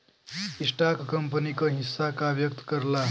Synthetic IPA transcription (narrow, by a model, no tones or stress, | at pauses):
isʈakkəmpənikəɦisːakaʋjək̚t̪kəɾla